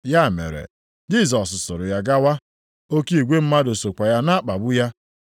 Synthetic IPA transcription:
ja˦˨mḛ˨ɾḛ˨ | d͡ʒi˦˨s̬ɔ˨ssʊ˨ɾʊ˨ja˨ɡa˦wa˦ | o˦ki˦i˨ɡʷe˦m̩˦ma˦do˨so˨kʷa˨ja˦na˦a˦k͡pa˨bʊ˦ja˦

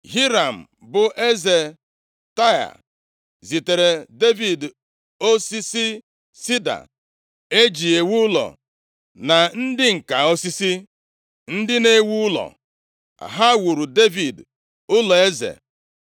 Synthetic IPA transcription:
ɦi˦ɾa˨m̩˨ | bʊ˨ʔe˦ze˨ | ta˦ja̰˨ | zi˨te˨ɾe˨de˦vi˨d | o˦si˦si˦ | si˦da̰˨ | e˦d͡ʒi˨e˨wu˦lɔ̰˨ | na˨n̩˦dɪ˦ŋ̩˨ka˨o˦si˦si˦ | n̩˦dɪ˦ne˦wu˦ʊ˦lɔ̰˨ | a̰˨ɦa˦wu˨ɾu˨de˦vi˨d | ʊ˦lɔ˨e˦zḛ˨

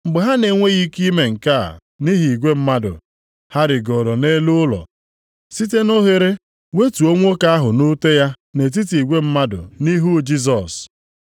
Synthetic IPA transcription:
m̩˨ɡ͡bʊ˨ɦa˦ne˨ŋʷe˦ɣi˦ki˦me˨ŋ̩˨ka̰˦˨ | ni˦ɦi˨i˨ɡʷe˦m̩˦ma˦dʊ̰˨ | ha˦ɾɪ˨ɡɔ˨ɾo˨ne˦lu˦lɔ̰˨ | si˦t̬e˦no˦ɦe˨ɾe˦ | we˦tu˨o˦ŋʷo˦ka˦a˦ɦʊ˨nʊ˦te˦ja˦ | ne˨t̬i˦ti˨i˨ɡʷe˦m̩˦ma˦dʊ̰˨ni˦ɦu˦d͡ʒi˦z̬ɔ˨s

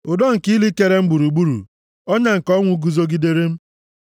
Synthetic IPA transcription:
ʊ˨do˦ŋ̩˨ki˦li˦ke˦ɾe˦m̩˦ɡ͡bu˨ɾu˨ɡ͡bu˦ɾṵ˨ | ɔ˦ɲa˦ŋ̩˨kɔ˦ŋʷʊ˦ɡu˨zo˦ɡi˦de˦ɾe˦m̩˦

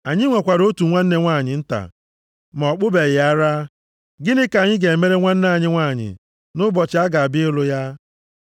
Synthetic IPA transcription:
a˨ɲɪ˦ŋʷe˨kʷa˨ɾo˦tu˨ŋʷa˦n̩˦ne˦ŋʷa˦˨ɲɪ˨n̩˦ta̰˨ | mɔ˨k͡pʊ˦be˨ɣɪ˨a˦ɾa˦ | ɡɪ˦nɪ˦ka˨ɲɪ˦ɡe˨me˦ɾe˦ŋʷa˦n̩˦na˦˨ɲɪ˦ŋʷaː˦˨ɲɪ̰˨ | nʊ˦bɔ˨t͡ʃɪ˨˦a˦ɡa˨a˨bɪ˦ɪ˦lʊ˦ja˦

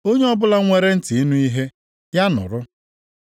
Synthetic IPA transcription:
o˦ɲe˦ɔ˦bʊ˦la˦ŋʷe˦ɾe˦n̩˦ti˨i˦nu˦i˦ɦe˦ | ja˦nʊ̰˨ɾʊ˦

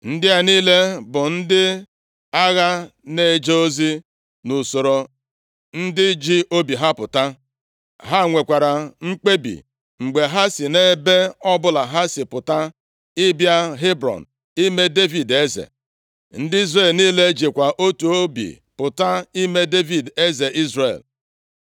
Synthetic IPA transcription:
n̩˦dɪ˦a˦niː˦le˦bʊ˨n̩˦dɪ˦ | a˦ɣa˦ne˨d͡ʒe˦o˦zi˦ | nu˨so˨ɾo˨ | n̩˦dɪ˦d͡ʒi˦o˦bi˨ɦa˦pʊ˨ta˦ | ɦa˦˨ŋʷe˨kʷa˨ɾa˨ŋ͡m̩˦k͡pe˦bḭ˨ | ŋ͡m̩˨ɡ͡be˨ɦa˦si˨ne˦be˦ɔ˦bʊ˦la˨ɦa˦si˨pʊ˨ta˦ | ɪ˦bja˦ɦe˦bɾɔ̰˨n | i˦me˦de˦vi˨de˦zḛ˨ | n̩˦dɪ˦i˦zre˨lniː˦le˦d͡ʒi˨kʷa˨ʔo˦tu˨o˦bḭ˨ | pʊ˨ta˦i˦me˦de˦vi˨de˦ze˨ʔi˦zrḛ˨l

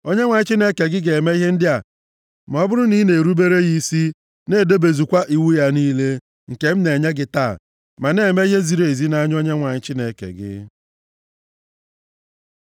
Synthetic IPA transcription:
o˦ɲe˦ŋʷa˨ɲɪ˦t͡ʃi˦ne˦ke˨ɡɪ˦ɡe˨me˦i˦ɦe˦n̩˦dɪ˦a˨ | m˨ɔ˦bʊ˦ɾʊ˦ni˦ne˨ɾu˦be˦ɾe˦ɣi˦si˦ | ne˦˨do˦be˨zu˨kʷa˦ʔi˨wu˦ja˦niː˦le˦ | ŋ̩˨ke˨m̩˦ne˨ɲe˦ɡɪ˦ta̰ː˦˨ | ma˨ne˨me˦i˦ɦe˦zi˨ɾe˨zi˦na˦ɲ˦o˦ɲe˦ŋʷa˨ɲɪ˦t͡ʃɪ˦ne˨kḛ˨ɡɪ̰˦

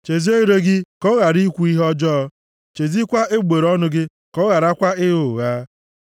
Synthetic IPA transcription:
t͡ʃe˨zi˦e˦ɾe˦ɡɪ˦kɔ˦ɣa˨ɾi˦kʷu˦i˦ɦɔ˦d͡ʒɔː˦ | t͡ʃe˨zi˦kʷa˦e˦ɡ͡be˨ɾɔ˦nʊ˦ɡɪ˦ | kɔ˦ɣa˨ɾa˦kʷa˦ɪ˦ɣʊ˨ɣaː˦

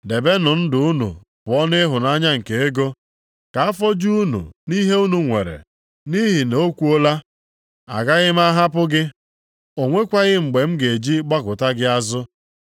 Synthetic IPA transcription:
de˨be˦nʊ˨n̩˦dʊ˨˦u˦nṵ˨ | pʊ˨ɔ˦nɪ˦ɦʊ˨na˦ɲa˦ŋ̩˨ke˨e˦ɡo˦ | ka˨a˦fɔ˦d͡ʒu˦u˦nṵ˨ni˦ɦe˦u˦nu˨ŋʷḛ˨ɾḛ˨ | ni˦ɦi˨no˦kʷu˦o˦la˦ | a̰˨ɡa˦ɣɪ˦m˦a˦ɦa˦pʊ˦ɡɪ˦ | o˨ŋʷe˦kʷa˦ɣɪ˦ŋ͡m̩˨ɡ͡be˨m̩˦ɡe˨d͡ʒi˦ɡ͡ba˦kʊ˨ta˦ɡɪ˦a˦zʊ˦

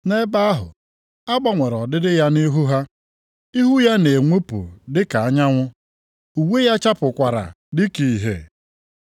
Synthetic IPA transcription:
ne˦ba˦ɦʊ̰˨ | a˦ɡ͡ba˦ŋʷe˨ɾɔ˨dɪ˦dɪ˦ja˦ni˦ɦu˦ɦa˦ | i˦ɦu˦ja˦ne˨ŋʷe˦pṵ˨dɪ˦ka˨a˦ɲa˦ŋʷʊ˦ | u˨we˦ja˦t͡ʃa˦pʊ˨kʷa˨ɾa̰˨ | dɪ˦ki˦˨ɦḛ˨

